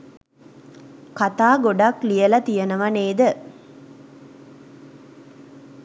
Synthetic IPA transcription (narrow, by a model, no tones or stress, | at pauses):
kat̪aːɡoɖɐklijɐlɐt̪ijɐnəʋɐneːd̪ə